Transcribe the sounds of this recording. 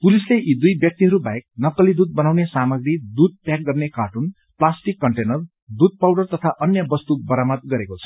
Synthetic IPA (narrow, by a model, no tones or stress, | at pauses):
pulisleʔid̪ujbjʌk̚t̪iɦʌɾubaek̚nʌkːʌlid̪ud̪̚bʌnawnesamʌɡrid̪ud̪̚pjakɡʌrnekaʈun | plasʈikːʌɳʈenʌr | d̪ud̪̚pawɖʌrt̪ʌt̪ʰaʔʌnjʌbʌst̪ubʌɾamʌt̪̚ɡʌɾekot͡sʰʌ̥